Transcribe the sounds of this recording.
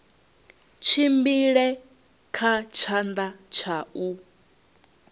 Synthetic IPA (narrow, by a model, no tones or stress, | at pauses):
t͡ʃʰimbiɺɛ | kʰat͡ʃʰand̪at͡ʃʰaʔu